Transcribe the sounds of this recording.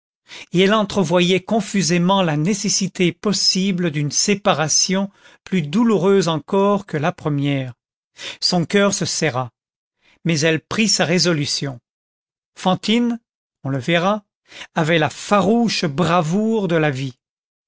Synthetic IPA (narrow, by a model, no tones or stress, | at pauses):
eɛlɑ̃t̪χəvwajɛkɔ̃fyzemɑ̃lanesesit̪ʰepɔsibləd̪ynsepaʁasjɔ̃ | plyd̪uluʁøzɑ̃kɔʁkəlapχəmjɛːʁ | sɔ̃kʲœʁsəsɛʁa | mɛzɛlpχisaʁezɔlysjɔ̃ | fɑ̃t̪in | ɔ̃ləvɛʁa | avɛlafaʁuʃbʁavuʁd̪əlavi